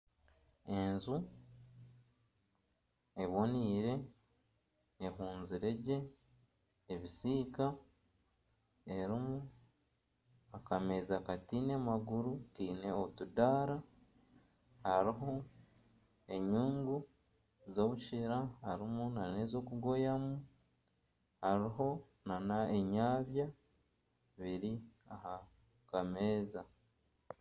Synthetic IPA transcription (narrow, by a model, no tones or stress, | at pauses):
e̞nzu | e̞βo̞niːɾe̞ | ɦuːnziɾe̞ɟe̞ː | βisiːka | e̞ɾimu | akamezakatiːnemaɡuɾutiːne̞otudaːɾa | haɾiɦo̞ | e̞ɲuːŋɡu | zoβut͡ʃiɾahaɾimunanezo̞kuɡo̞jamu | haɾiɦo̞ | nanaeɲaːβja | βiɾiaɦa | kame̞ːza